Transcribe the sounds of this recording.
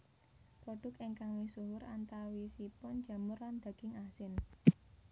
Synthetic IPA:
pɾɔɖ̥ʊ̤keŋkaŋwisuɦʊɾant̪awisipʊn̥d͡ʒ̥ä̤mʊrland̪̥ä̤ɡ̥ɪŋasɪn

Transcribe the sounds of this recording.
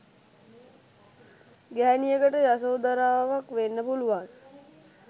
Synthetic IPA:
ɡæɦːnijəɡəʈəjas̬oːd̪aɾaːʋaʋakʋenːəpuluʋaŋ

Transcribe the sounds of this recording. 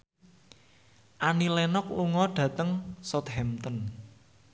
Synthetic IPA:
ʔanilɛnɔk̚luŋɔɖ̥ä̤t̪əŋsɔt̪hɛmt̪ɔn

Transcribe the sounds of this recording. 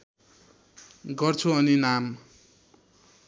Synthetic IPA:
ɡʌrt͡sʰuʌninam

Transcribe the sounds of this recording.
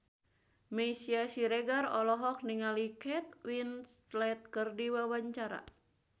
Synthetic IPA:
mɛsiasiɾeɡarɔlɔɦɔk̚niŋalikɛt̪̚winslɛt̪̚kɨrdiwawaɲt͡ʃaɾa̰

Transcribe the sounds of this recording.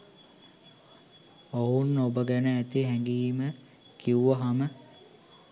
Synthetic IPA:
oɦunːobəɡænəæt̪iɦɛŋɡiːmə | kiuʋəɦamə

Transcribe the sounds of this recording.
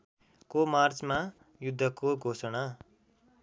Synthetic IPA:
komart͡sma | jud̪ʱːʌkoɡʱosʌɽa

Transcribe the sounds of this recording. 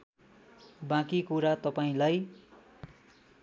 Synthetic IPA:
bãkikuɾat̪ʌpaĩlaj

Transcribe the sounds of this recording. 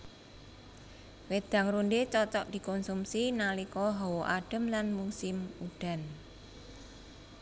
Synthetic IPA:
wed̪̥ä̤ŋɾundet͡ʃɔt͡ʃɔʔd̪̥i̤kɔnsumsinalikɔɦɔwoʔaɖ̥ə̤mlanmusɪmuɖ̥a̤n

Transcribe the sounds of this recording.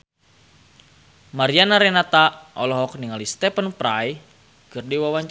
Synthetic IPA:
maɾianaɾɛnat̪aʔɔlɔɦɔk̚niŋalist̪ɛpənpɾaj | kɨrdiwawaɲt͡ʃ

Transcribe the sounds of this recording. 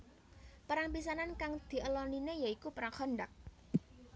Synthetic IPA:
pəɾaŋpis̬anankaŋd̪̥i̤ʔəlɔninejaikupəɾaŋχɔɳɖak̚

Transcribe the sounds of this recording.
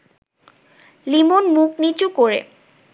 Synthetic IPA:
limonmuknit͡ɕukoɾḛ

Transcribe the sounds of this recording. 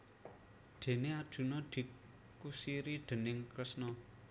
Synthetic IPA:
ɖ̪̥e̤nead̥ʒ̥ṳnɔd̪̥i̤ | kusiɾiɖ̪̥ə̤nɪŋkɾɪsnɔ

